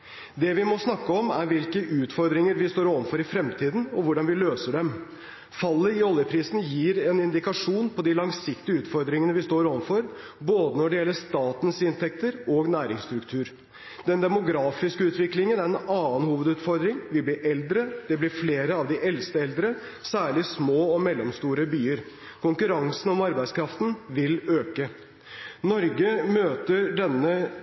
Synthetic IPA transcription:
d̪ɛʋɪmɔsnɑkːəɔmæɾʋɪlkəʔʉːt̪fɔɾd̪ɾɪŋəɾʋɪst̪oːɾɔʋənfɔɾɪfɾɛmt̪ʰiːd̪n̩ɔʋʊɖɑnʋɪløːsəɖɛm | fɑlːəɪɔljəpʰɾiːsn̩jiːɾɛnɪnd̪ɪkɑʂuːnpʰɔd̪ɪlɑŋsɪkt̪ɪəʉːt̪fɔɾd̪ɾɪŋənəʋɪst̪oːɾɔʋənfɔɾ | boːd̪ənɔɖɛjɛlːəʂt̪ɑːt̪nsɪnt̪ʰɛk̚t̪əɾɔɡnæːɾɪŋst̪ɾʉkt̪ʰʉːɾ | d̪ɛnd̪ɛmʊɡɾɑːfɪskəʉːt̪ʋɪklɪŋənæɾɛnɑːənhuːʋəd̪ʉːt̪fɔɾd̪ɾɪŋʋɪlbliːʔɛld̪ɾəd̪̥ɛblɪɾfleːɾəɑʋd̪ɪʔɛlst̪əɛld̪ɾə | sæːɭɪsmoːɔmɛlːɔmst̪uːɾəbyːəɾ | kʰʊŋkʉɾɑŋsən̩ɔmɑɾbæɪskʰɾɑft̪n̩ʋɪløːkə | nɔɾɡəmøːt̪əɖɛnːə

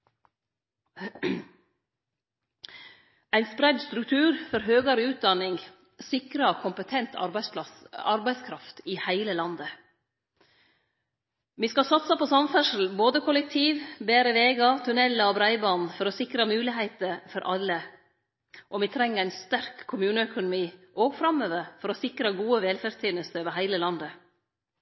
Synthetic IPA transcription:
æɪnspɾæd̪st̪ɾʉk̚t̪ʰʉːɾfɔɾɦøːɡɑɾəʉːt̪̚d̪ɑnɪŋɡ | sɪkɾəkʰʊmpət̪ʰɛnt̪ʰɑɑɑ̰ɾbæɪskʰɾɑft̪iːhæɪləlɑnd̪ə | ʋiːskɑsɑt̪sɑpɔsɑmfæʂl̩boːd̪əkʰʊlɛk̚t̪ʰiːʋbeːɾəʋeːɡɑt̪ʰʉnɛlːəɔbɾæɪbɑːnn̩fɔɾɔsɪkɾɑmʉːlɪɦæɪt̪əɾfɔɾʔɑlːə | ʔɔʋɪt̪ʰɾɛŋːəɾæɪnst̪æɾkʰːʊmʉːnəœkʊnʊmiːʔoːɡfɾɑmːøːʋəɾfɔɾɔsɪkɾɑɡuːəʋɛlfæɾst̪ʰiːnəst̪əøːʋəɦæɪləlɑnd̪ə

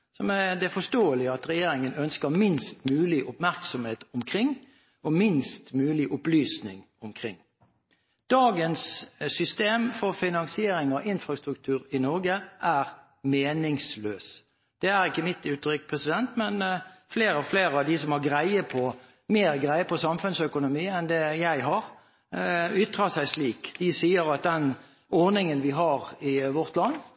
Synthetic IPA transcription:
sɔmæd̪ɛfɔʂt̪oːəlɪəɑt̪ɾɛjeːɾɪŋənœnskəɾmɪnst̪mʉːlɪʔʊpmæʁksɔmheːt̪ʊmkʰɾɪŋː | ɔmɪnst̪mʉːlɪʔʊplyːsnɪ̰ŋ | ʊmkʰɾɪ̰ŋː | d̪̥ɑːɡənsːʏst̪eːmfɔɾfɪnɑŋsɪeːɾɪŋɔʔɪnfɾɑst̪ɾʉk̚t̪ʰʉːɾɪnɔɾɡəʔæːɾ | meːnɪŋsløːs | d̪̥ɛæɾɪkːəmɪt̪ʉːt̪ɾʏkpʰʁɛsɪd̪ɛnt̪mɛnfleːɾɔfleːɾəɑʋd̪ɪsɔmhɑʁɡɾæɪəpʰɔ | meːɾɡʁæɪəpʰɔsɑmfʉnsœkʊnʊmiːɛnd̪ɛjæɪɦɑʁ | ʏt̪ːʁɑsæɪsliːkd̪̥ɪsiːəɾɑt̪̚d̪ɛn | ɔʁnɪŋənʋɪɦɑʁɪʋɔʁt̪lɑnː

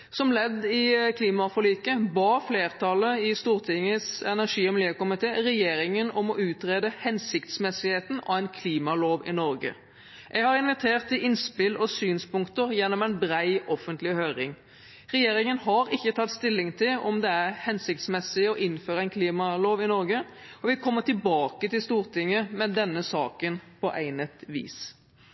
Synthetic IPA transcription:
sɔmlɛd̪ːɪkʰliːmɑfɔlyːkəbɑːfleːʁt̪ʰɑləɪst̪uːɾt̪ʰɪŋəsɛnæʁʂiːɔmliːəkʊmɪt̪ʰeːɾɛjeːɾɪŋənɔmɔʔʉːt̪ɾeːd̪əhɛnsɪkt̪smɛsɪheːt̪n̩ɑ̰ʋæɪnkʰliːmɑloːʋɪnɔɾɡə̰ | ʔɛɡhɑɾɪnʋɪt̪ʰeːʁt̪ɪʔɪnspɪlɔsyːnspʊŋkt̪əɾjɛnːɔmæɪnbɾæɪɔfənt̪lɪhøːɾɪŋ | ɾɛjeːɾɪŋənhɑɾɪçːət̪ʰɑt̪ːst̪ɪlːɪŋt̪ʰɪlɔmd̪ɛæʁhɛnsɪk̚t̪smɛsːɪɔʔɪnːføːɾəæɪnkʰliːmɑloːʋɪnɔɾɡə | ɔʋɪkʰɔmːəʈ̪ɪlbɑːkət̪ɪlst̪uːʁt̪ɪŋːəmɛd̪ɛnːəsɑːkənpʰɔʔæɪnət̪ʋḭːs

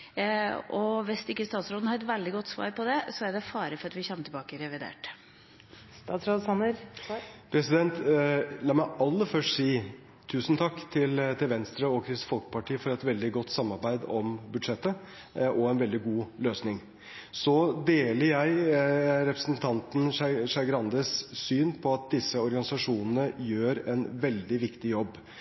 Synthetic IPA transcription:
ɔʋɛst̪ɪkːəst̪ɑːt̪sɾoːd̪n̩hɑɾɛt̪ʋæld̪ɪɡɔt̪ːsʋɑ̰ːɾpɔd̪ɛsɔæɖɛfɑːɾəfɔɾɑt̪ʋɪçɛmːəʈ̪ʰɪbɑːkəɾɛʋɪd̪ḛːʈ | st̪ɑːt̪sɾoːd̪sɑnːəɾpʰɾɛsɪd̪ɛnt̪lɑːmæɪɑlːəfœʂʈsiː | t̪ʰʉːsn̩t̪ʰɑkːt̪ʰɪlt̪ʰɪlʋɛnst̪ɾəɔkʰɾɪsfɔlkəpʰɑʈʰiːfɔɾɛt̪ʋɛld̪ɪɡɔt̪ːsɑmːɑɾbæɪd̪ɔmbʉd̪ʂɛt̪ːə | ʔɔɛnʋɛld̪ɪɡuːløːsnɪŋ | sɔd̪eːləɾjæɪɾɛpɾəsnt̪ʰɑnt̪n̩ʂɑɡɾɑnd̪əsːyːnpʰɔɑt̪̚d̪ɪsːəɔɾɡɑnɪsɑʂuːnən̩əjøːɾɛnʋɛld̪ɪʋɪkt̪ɪjɔbː

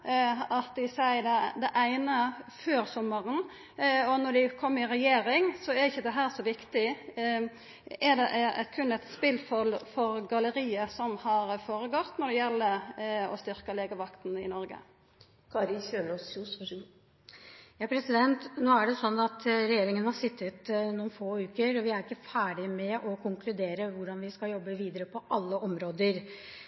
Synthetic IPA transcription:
ɑt̪d̪ɪsæɪd̪æd̪ɛʔæɪnəføːɾsɔmːəʁən | ɔnɔɖ̪æɪkʰɔmːɪɾɛjeːɾɪŋsɔɛɾɪçəd̪ɛɦæːɾsɔʋɪkt̪ɪ | ɛd̪ɛʔʔækʰʉnːæɪt̪spɪlfɔlfɔɾɡɑləɾiːəsɔmhɑɾfoːɾəɡɔt̪nɔd̪ɛjɛlːəɔ̰st̪ʏɾkəleːɡəʋɑkt̪n̩ɪnɔɾɡə̰ | kʰɑɾɪçøːnɔsus | jɑːpʰɾɛsɪd̪ɛnt̪noːæɖɛsɔnːɑt̪ɾɛjeːɾɪŋənhɑʂɪt̪ʰːət̪nuːnfoːʉːkəɾɔʋɪæɾɪkːəfæːɖɪmɛʔɔkʰʊŋkʰlʉd̪eːɾəʋʊɖɑnʋɪskɑljɔbːəʋiːd̪əɾəpʰɔʔɑlːəʔɔmɾoːd̪əɾ

